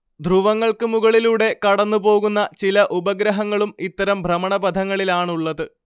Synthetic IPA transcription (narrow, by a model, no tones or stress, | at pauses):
d̪ʱruʋɐŋːɐɭkɨmuɣɐɭiluːɽe̞kɐɽɐnːupo̞ːɣunːɐt͡ɕilɐʔubɐɡɾɐɦɐŋːɐɭumit̪ːɐɾɐmbʱrɐmɐɳɐbɐd̪ʱɐŋːɐɭilaːɳuɭːɐðɨ